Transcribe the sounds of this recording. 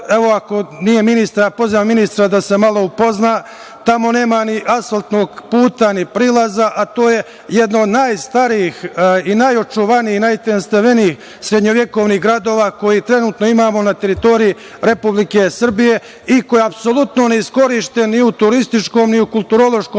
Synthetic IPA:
eʋo̞ako̞nije̞minist̪ɾjapo̞ziʋamːinist̪ɾad̪ase̞malˠo̞upo̞znaː | t̪amo̞ne̞ːmaniʔasalˠt̪no̞ɡpuːt̪anipɾiːlˠazaʔat̪o̞ːje̞ | je̞d̪noːd̪naːjst̪aɾiːxinaːjo̞t͡ʃuʋaniːhnajt̪enst̪aʋe̞niiːx | sɾed̪ɲo̞ʋje̞ko̞ːʋniɦɡɾad̪o̞ːʋaːko̞jit̪ɾe̞nuːt̪noimaːmo̞nat̪e̞ɾit̪o̞ɾiji | ɾe̞publike̞sr̩bije̞ | ikojeapso̞lˠut̪no̞neisko̞ɾiːʃt̪e̞nniut̪uɾist̪it͡ʃko̞ːmniukulˠt̪uɾo̞lˠo̞ʃkoː

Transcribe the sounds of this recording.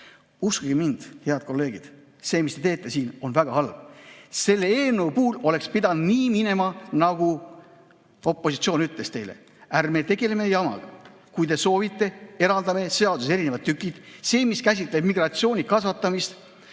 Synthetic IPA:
uskɑɡ̥imind̪̥he̞ɑd̪̥̚ko̞lːe̞ːɡ̥id̪̥ | se̞ːmist̪e̞t̪e̞ːt̪ˑːe̞siːno̞nvæɡ̥ɑhɑlb̥se̞lːeeːneupuːlo̞le̞kspid̪ɑnniːmine̞mɑnɑɡ̥u | o̞pːˑo̞sit̪sio̞ːnyt̪ˑle̞st̪e̞jlḛ | ærme̞t̪e̞ɡe̞le̞me̞jɑmɑ̰ɡ̥ɑ | kujd̪e̞so̞ːvit̪ːˑe̞e̞ɾɑld̪ɑme̞se̞ɑd̪useɾinevɑt̪ːykːˑid̪̥se̞ːmiskæs̬ʲit̪ˑle̞b̥miɡrɑt̪sio̞ːnikɑsvɑt̪ːˑɑmist̪

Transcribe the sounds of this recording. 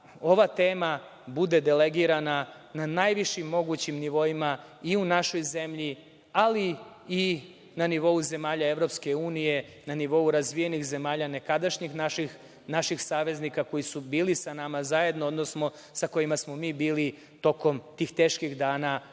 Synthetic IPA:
o̞ʋat̪eːma | bud̪e̞d̪e̞leɡiɾana | nanajʋiʃimːo̞ɡut͡ɕimniʋo̞ima | iunaʃo̞jze̞mʎi | ali | i | naniʋo̞uze̞maːʎae̞ʋɾo̞pske̞uːnije̞ | naniʋo̞uɾazʋije̞nixze̞maːʎane̞kad̪aʃɲixnaʃix | naʃixsaːʋe̞znikako̞jisubiːlisanamazaje̞d̪nood̪nosmo̞ | sako̞imasmo̞miːbiːli | t̪o̞ko̞mt̪iːxt̪e̞ːʃkixd̪aːna

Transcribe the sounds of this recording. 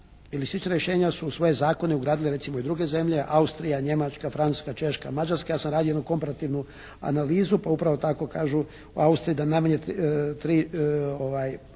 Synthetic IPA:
ilisit͡ʃnaɾjeʃe̞ːɲasusʋo̞jezaːko̞neuɡɾaːd̪ileɾe̞t̪simoid̪ɾuɡe̞ze̞mʎe̞ʔaust̪ɾijaɲe̞mat͡ʃkafɾanu̥skat͡ʃe̞ʃka̰mad͡ʒaɾskajaːsamɾad̪iojed̪nuko̞mpaɾat̪iʋnu | a̰naliːzupaupɾaʋo̞t̪ako̞kaːʒu | uaust̪ɾiːd̪anajmaɲet̪ɾioʋaːj

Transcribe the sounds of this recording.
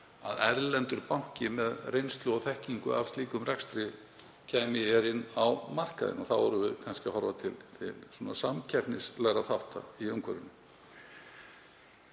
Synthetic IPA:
a̰ðɛɾlɛnt̪ʏɾpawɲ̥cɪmɛðrejnst̪lʏɔθɛhciŋkʏa̰vst̪liːkʏmrɛkst̪ɾɪ | cʰɛːmɪɛɾɪnːawmar̥kaðɪ̰nɔθawvɔɾʏvɪðkʰanscɪahɔɾvat̪ʰɪlt̪ʰɪ̰lsɔːnasamcʰɛpnɪslɛɣɾaθawht̪a̰iœmkʰvœɾɪnːʏ

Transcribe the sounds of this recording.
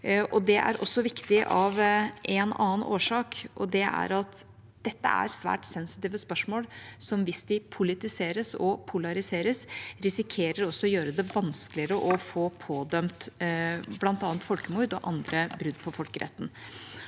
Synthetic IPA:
ʔɔd̪ɛʔæ̰ɾʔɔ̰sːɔʋɪkt̪ɪʔɑʋʔɛnɑ̰ːənʔoːʂɑːkʔɔ̰d̪ɛæ̰ɾɑt̪ | d̪̥ɛt̪ːə̰æ̰ɾsʋæ̰ːʈsɛnsɪ̥t̪iːʋəspœʂmoːlsɔmʋɪsd̪ɪpʰʊlɪt̪ɪseːɾəsɔ̰pʰʊlɑɾɪseːɾəsɾɪsɪkʰeːɾəɾɔsːɔɔjøːɾəd̪ɛʋɑnsklɪəɾəʔɔfoːpʰoːd̪œmt̪ | blɑnt̪ɑːnt̪fɔlkəmuɾd̪ɔʔɑnd̪ɾəbɾʉd̪ːpʰɔfɔlkəɾʔɛ̰t̪ːn̩

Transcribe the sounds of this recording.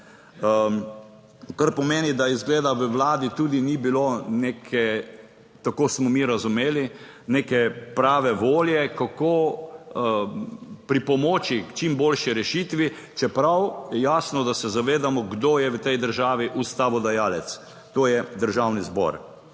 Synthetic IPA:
kaɾpɔmeːnid̪aizɡleːd̪aʋəʋlaːd̪it̪ud̪inibiloneːkʰɛ | t̪akoːsmɔmiɾazumeːli | neːkɛpɾaːʋɛʋoːljɛkakoː | pɾipɔmoːt͡ʃikt͡ʃimbolʃiɾɛʃit̪ʋi | t͡ʃɛpɾawjɛjaːsnɔd̪asɛzaʋeːd̪amɔɡd̪oːjɛʋət̪ɛjd̪əɾʒaːʋiʔust̪aːʋɔd̪ajaːlɛt̪s | t̪oːjɛd̪əɾʒawnizbɔ̰ɾ

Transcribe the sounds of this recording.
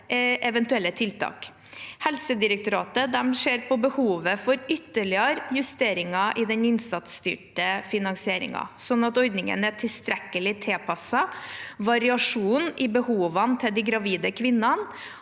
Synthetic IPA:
ʔɛʋɛnt̪ʉɛlːət̪ʰɪlt̪ʰɑ̰ːk | hɛlsəd̪ɪɾək̚t̪ʊɾɑːt̪əd̪ɛmʂeːɾpʰɔbəhuːʋəfɔɾʏt̪ːəɭɪəɾjʉst̪eːɾɪŋɑʔɪd̪ɛnɪnsɑt̪st̪y̰ːʈəfɪnɑŋsɪeːɾɪ̰ŋɑ̰sɔnːɑt̪ɔɾd̪nɪŋə̰næʈʰɪlst̪ɾɛkːəlɪt̪ʰeːpʰɑsɑʋɑɾɪɑʂuːnɪbəhuːʋɑnt̪ʰɛd̪ɪɡɾɑʋiːd̪əkʰʋɪnːɑn

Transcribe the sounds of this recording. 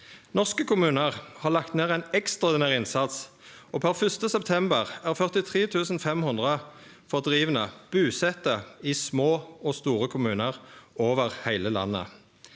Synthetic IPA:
nɔʁskəkʰʊmʉːnəʁhɑːʁlɑkt̪neːʁæɪnɛkst̪ʁɔːd̪ɪnæːʁɪnsɑt̪s | oːpʰæʁfʏst̪əsɛpt̪ʰɛmbəʁæːʁfœʁt̪ɪt̪ʰʁeːt̪ʰʉːsn̩fɛmhʊnd̪ʁə | fɔʁd̪ʁiːʋənəb̥ʉːsɛt̪əiːsmoːoːst̪uːʁəkʰʊmʉːnəʁoːʋəʁhæɪləlɑ̰nːə̰

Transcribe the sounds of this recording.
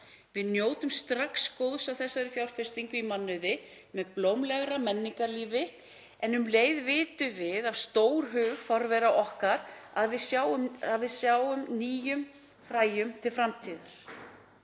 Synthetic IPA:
vɪðnjoːwt̪ʏmst̪ɾakskowðsawθɛsːaɾɪfjawl̥fɪst̪iŋkʏimanːʏðɪ | mɛðplowmlɛɣɾamɛnːiŋkaliːvɪ | ɛnʏmleːjðvɪːt̪ʏvɪðaðst̪oːwɾ̥ɦʏːɣfɔɾvɛɾaʔɔhkaɾaðvɪðsjaːwʏmaðvɪðsjaːwʏmniːjʏm | fɾaːjʏmt̪ʰɪlfɾamt̪ʰiːðʏɾ̥

